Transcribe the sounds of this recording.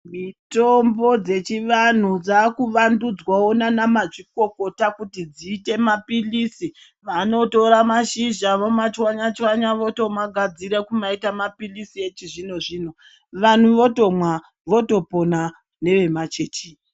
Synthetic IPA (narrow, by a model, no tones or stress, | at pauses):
mitombo̞d͡ze̞t͡ʃiʋan̤ud͡zaːkuʋandud͡zwaonanamaʐiko̞ko̞takutid͡ziːte̞mapilisi | ʋano̞to̞ɾamaʃiʒaʋomat͡ʃwaɲat͡ʃwaɲaʋoto̞mwaɡʱad͡ziɾekumaitamapilisie̞t͡ʃiʐino̞ʐiːn̤o | ʋan̤uʋo̞to̞mwa | ʋo̞to̞po̞na | ne̞ʋe̞mat͡ʃet͡ʃi